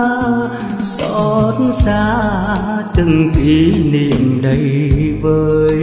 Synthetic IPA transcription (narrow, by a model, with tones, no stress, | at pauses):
w | sɔ˧˨˧tnsaː˧˦ | t̪ɨ˧˩ŋti˧˦nḭ˧˨əmɗə˨˦jvəː˨˦j